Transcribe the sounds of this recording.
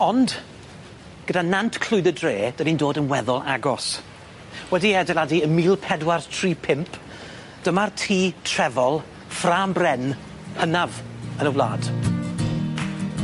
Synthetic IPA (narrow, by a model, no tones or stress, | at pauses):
ɔnd | ɡ̥ədanantʰkʰl̥ˠʊɨdədreːd̥anindoːdənwɛðʊlˠaɡɔs | wɛdiɛdɛlˠadiəmiːlˠpʰɛdwartʰr̥iːpʰɪmpʰ | d̥əmartʰiːtʰr̥ɛvɔlˠ | fraːmbrɛn | hənavənəwlˠa̰ːd̥